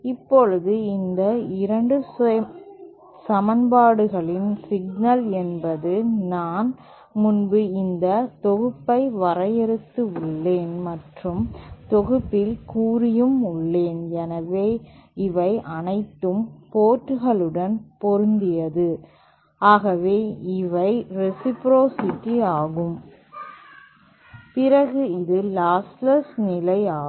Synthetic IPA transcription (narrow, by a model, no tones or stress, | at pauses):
ɪpːɔɻɯðɯɪnd̪ɐɪɾɐɳɖɯ | sɐmɐnbaːɽɯɣɐɭɪnsɪɡnɐlɛnbɐðɯnaːn | mʊnbɯɪnd̪ɐt̪ɔɣɯpːɐɪʋɐɾɐjɛɾɯt̪ːɯʊɭːeːnmɐʈrɯmt̪ɔɣɯpːɪlkuːɾɪjɯmʊɭːeːnjɛnɐʋeːɪʋɐɪʔɐnɐɪt̪ːɯmpoːʈːɯɣɐɭɯɽɐnpɔɾɯnd̪ɪjɐðɯ | aːɣɐʋeːɪʋɐɪɾɛsɪpɾoːsɪʈːiaːɣɯm | pɪɾɐɣɯɪðɯlaːslɐsnɪlɐɪaː